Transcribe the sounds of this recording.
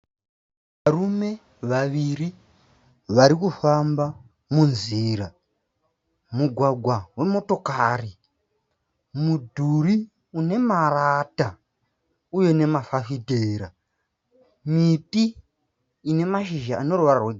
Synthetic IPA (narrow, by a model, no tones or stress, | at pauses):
ʋarume̞ | ʋaʋiri | ʋaɾikufamba | munziːɾa | muɡʱwaɡʱwawe̞mo̞to̞kaːri | mudʱuri | une̞marata | uje̞ne̞mafafiteːɾa | mitiː | ne̞maʃiʒaʔano̞ruʋararweɡʱ